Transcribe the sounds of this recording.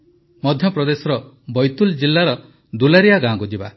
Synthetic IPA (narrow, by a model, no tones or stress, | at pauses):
mɔd̪ʱjɔpɾɔd̪esɔɾɔ | bɔjt̪uld͡ʒilːaɾɔ | d̪ulaɾijaɡãɡud͡ʒiba̰